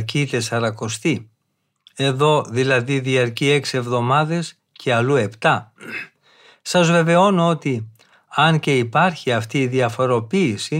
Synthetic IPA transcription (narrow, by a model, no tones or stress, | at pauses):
cit̪e̞sɐɾɐko̞st̪i | e̞ðo̞ðilɐðiðiɐɾcie̞ksie̞vðo̞mɐðe̞s | cʰe̞ɐlue̞pt̪ɐ | sɐzve̞ve̞o̞noo̞t̪i | ɐnce̞ipɐɾçiɐft̪iːðiɐfo̞ɾo̞piːsi